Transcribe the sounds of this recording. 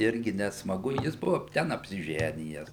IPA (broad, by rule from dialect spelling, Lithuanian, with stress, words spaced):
ˈɪrʲɡʲɪ nʲɛsmɐˈɡʊ ˈjɪs ˈbʊʋɐ ˈtʲɛn ɐpʲsʲɪˈʒʲæːnʲɪjɛs